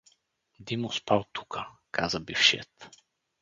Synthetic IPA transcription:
d̪imʊspalˠt̪u̥kəkʰazəbifʃɛ̰t̪

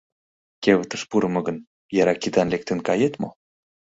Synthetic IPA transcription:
keβət̪əʃpuɾə̆mɤ̆ɣən | jɑɾɑkid̪ɑnlek̚t̪enkɑjet̪mo

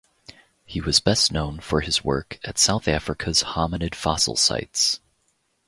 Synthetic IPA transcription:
hiwʌzbɛstⁿnõʊ̃nfə˞ɨzwɜ̰˞kʰɨtsaʊθæfɹɨkʰɨz̥hɑmɨnɨd̥fɑsl̩ˠsa̰ɪts

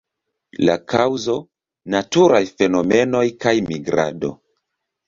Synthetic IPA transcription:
la̰kʰawzo̞ | natuɾajfe̞no̞me̞no̞jkajmiɡɾa̰do̞̰

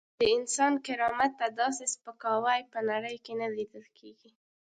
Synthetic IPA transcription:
d̪̥əɪnsɑnkɪɾɑmat̪ːad̪ɑsespəkɑwajpənaɽəjkenalid̪əlkʰeɡi

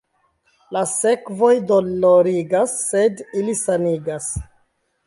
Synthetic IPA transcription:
lase̞kvo̞jdoloɾiɡasːe̞dilisaniɡas

